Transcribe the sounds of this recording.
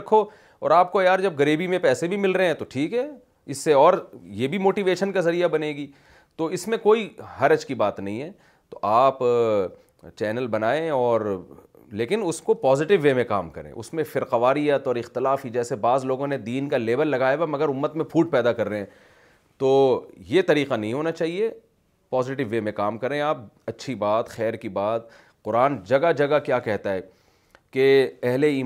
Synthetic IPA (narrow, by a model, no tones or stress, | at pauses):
ɐkʰːo | ɔ̰ːɾaːp̚kojaːɾd͡ʒɐb̚ɡɐɾiːbimẽpɛːsebʱimɪlɾɐɦɛ̃t̪oʈʰiːkɦɛː | ɪsːeɔːɾjebʱimoːʈiʋeːʃənkazɐɾijabɐneːɡiː | t̪oɪsmẽkoːiɦɐɾɐd͡ʒkibaːt̪nɐɦĩɦɛː | t̪oʔaːp | t͡ʃɛːnəlbɐnaːẽɔːɾ | leːkɪnʊskopɔːzɪʈɪʋːeːmẽkaːmkɐɾḛ̃ʔʊ̰smẽfɪɾqɐʋaːɾijət̪ɔːɾɪxt̪ɪlaːfid͡ʒɛːsebaːzloːɡõned̪iːnkaleːbəllɐɡaːjaʋamɐɡəɾʊmːət̪mẽpʰuːʈ̚pɛːd̪akɐɾːɐeɛ̃ː | t̪oːjet̪ɐɾiːqanɐɦĩɦoːnat͡ʃaːɦie | pɔːzɪʈ̬ɪʋːeːmẽkaːmkɐɾẽaːp̚ɐtːʃʰibaːt̪xɛːɾkibaːt̪̚ | qʊɾaːnd͡ʒɐɡad͡ʒɐɡakjaːkɛɦt̪aɦɛː | keɛɦleiː